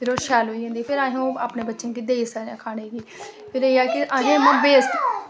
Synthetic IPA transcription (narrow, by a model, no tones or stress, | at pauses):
pʰɪɾoːʃɛːlɦoːiːɦãːnd̪iːpʰɪɾaːɦõːaːpneːbətːʃẽːkid̪eːiːsəãːkʰaːɽ̃eːɡiːpʰɪɾeːaːkɪʔaːɦẽːmə̃ːbeːst̪